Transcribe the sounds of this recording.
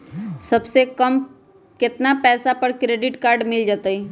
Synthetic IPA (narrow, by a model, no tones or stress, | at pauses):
sɐbsekɐm | kɪt̪napɛːsapɐɾkɾeːɖɪʈkaːɾɖmɪld͡ʒaːt̪aɛː